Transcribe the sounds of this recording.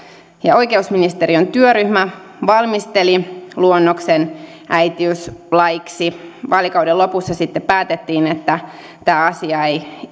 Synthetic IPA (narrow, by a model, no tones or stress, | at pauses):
jɑo̞ikeusminist̪eɾiont̪yøɾyhmæ | ʋɑlmist̪eliluonːoksen | ʔæjt̪iyslɑjiksiʋɑːlːikɑudelːo̞pusːɑsit̪ːeppæːt̪et̪ːiːnet̪ːæ | t̪æːɑsiɑej